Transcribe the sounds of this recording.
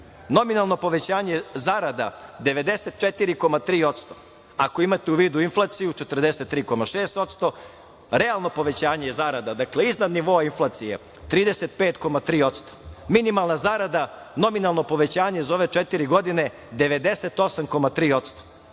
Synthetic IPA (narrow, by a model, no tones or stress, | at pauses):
no̞minalˠno̞po̞ʋe̞t͡ɕaːɲezaɾad̪ad̪e̞ʋe̞d̪e̞set̪̚t͡ʃet̪iɾiko̞mat̪ɾiːo̞t̪st̪o | ako̞imat̪euʋiːd̪uinflˠat̪sijut͡ʃet̪r̩d̪eset̪ːɾiːko̞maʃeːst̪o̞t̪st̪o̞ | ɾe̞alˠno̞po̞ʋe̞t͡ɕaːɲejezaɾad̪ad̪akleiznad̪niʋo̞ːainflˠat̪sije̞̰ | t̪ɾiːd̪ese̞t̪̚peːt̪ko̞mat̪ɾiːo̞t̪st̪o̥minimalˠnazaɾad̪a | no̞minalˠno̞po̞ʋe̞t͡ɕaːɲezoʋe̞t͡ʂet̪iɾiɡo̞d̪ine̞ | d̪e̞ʋe̞d̪e̞se̞t̪o̞samko̞mat̪ɾiːo̞t̪st̪o̥